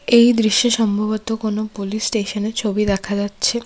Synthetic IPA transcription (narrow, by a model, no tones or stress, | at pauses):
ejd̪ɾiʃːoʃɔmbʱaβot̪okonopolisʈeʃoneɾt͡ɕʰobid̪ɛkʰad͡ʑatːɕʰe